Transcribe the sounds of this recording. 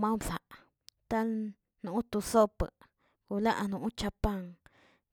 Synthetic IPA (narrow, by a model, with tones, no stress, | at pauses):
mã˦bsa˨ʔ | t̪a˦l | nũ˨ʔt̪u˧so˦pə̰˨ | ku˨la˦ʔnũ˨˦t͡ʃa˧pa˦˧ŋ